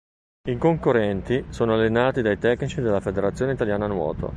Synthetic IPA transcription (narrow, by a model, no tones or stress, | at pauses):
iŋkoŋkorːɛnt̪isoːnoalːenaːt̪id̪ajt̪ɛkːnit͡ʃid̪elːafed̪eɾat̪sːjoːneit̪aljaːnanwɔ̰ːt̪ʰo̰